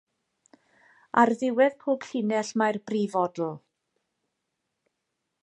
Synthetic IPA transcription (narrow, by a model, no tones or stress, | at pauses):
arðɪwɛðpʰoːɡɬɪnɛɬmajrbriːvɔdl̩ˠ